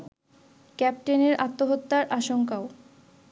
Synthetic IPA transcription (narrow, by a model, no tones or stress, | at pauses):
kɛp̚ʈeneɾat̪ːoɦot̪ːaɾʔaʃoŋkao